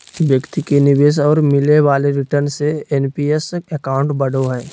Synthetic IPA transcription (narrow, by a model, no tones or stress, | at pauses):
ʋjəkt̪ikenɪʋeːs̬ɔːɾmɪleʋaːleɾɪʈəɾnseenpiːesekãːʊ̃ɳʈbɐɽʱoɦɛː